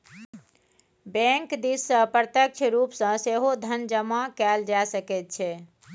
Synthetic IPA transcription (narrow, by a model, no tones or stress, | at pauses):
bɛ̃ŋkd̪isːə̃pɾət̪jək̚t͡ʃʰɾupsə̃seɦod̪ʱənd͡ʒəmakɛld͡ʒaesəkɛt̪̚t͡ʃʰɛ